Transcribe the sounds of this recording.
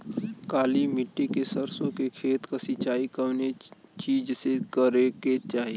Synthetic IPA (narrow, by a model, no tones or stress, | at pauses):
kaːlimɪʈːikesɐɾsõkekʰeːt̪kɐsɪt͡ʃaːikɐʋne | t͡ʃiːd͡ʒsekəɾeket͡ʃaːɦie